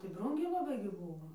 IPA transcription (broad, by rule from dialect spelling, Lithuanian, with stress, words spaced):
tɐɪ ˈbruːŋʲɡʲɛɪ lˠɐˈbɐɪ ɡʲɪ ˈbuːʋoː